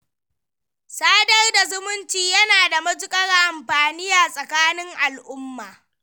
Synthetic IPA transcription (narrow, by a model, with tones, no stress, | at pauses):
saː˦dɐ˦rda˨zʊ˦mʊ˦nt͡ʃiː˨jɐ˦naː˨da˨mɐ˦d͡ʒʊ˦kʼɐ˦ɽʔa˨mɸaː˨ni˦jaː˨sʼɐ˨kaː˦nɪ˦ŋʔa˨lʔʊ˦mːaː˨